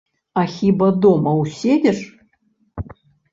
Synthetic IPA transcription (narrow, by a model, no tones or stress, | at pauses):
axʲibɐd̪ɔmɐwsʲed͡zʲɛʂ